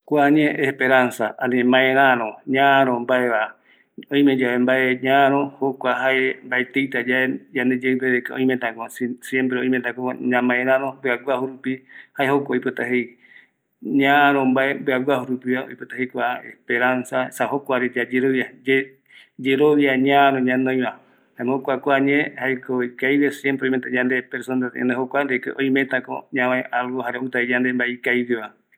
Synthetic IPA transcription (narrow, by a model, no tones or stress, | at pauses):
kʷaɲẽʔespeɾansaaɾemãeɾãɾõɲãɾõmbaeβa | õĩmẽd͡ʒaembaeɲãɾ̃õhokʷaɦaembaet̪ejt̪ad͡ʒaed͡ʒand̪ed͡ʒeɨpeβekaõ̰j̃mẽt̪ãkossjempɾeõĩmẽt̪ãkoɲãmãeɾãɾõmbɨaɡʷahuɾupihaehokʷaojpot̪ahej | ɲaɾõmbaebɨaɡahuɾupiβao̰jpot̪ahejkʷaḛspeɾansasaɦhokoaɾed͡ʒad͡ʒeɾoβiad͡ʒe | d͡ʒeɾoβjaɲãɾõɲãnõj̃βã | aemookʷakʷaɲẽhaekoikajwesjempɾeojmet̪aɲãnd̪epeɾsond̪at̪ḛ̃nd̪eɦokʷaɾekeʔoĩmet̪ako̰ɲãwãẽʔalwohaɾeout̪aed͡ʒand̪embaeikaiweβa